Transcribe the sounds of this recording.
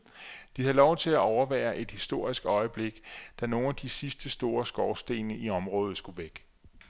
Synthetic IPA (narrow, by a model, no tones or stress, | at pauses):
d̥ihælɒʊt͡sʰe̝læʔɒʊɐʋæ̰ːɐʔe̝d̥hisd̥o̝ɐ̰isɡ̥ɒ̽ɪəb̥le̝ɡ̥d̥æno̝ːnæd̥isisd̥əsd̥o̝ːɐsɡ̥ɒʊsd̥e̝̰ːnəʔiɒ̽mʁɔ̽ːð̞̩ˠsɡ̥uʋeɡ̥